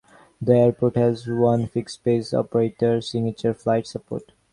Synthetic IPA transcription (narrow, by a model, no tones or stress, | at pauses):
d̪əeɾpoːʈhæzʋʌ̃nfɪkspeːsɔ̰pəɾeːʈəɾsɪ̃ŋət͡ʃəɾflaɪʈsəpo̰ːɾʈ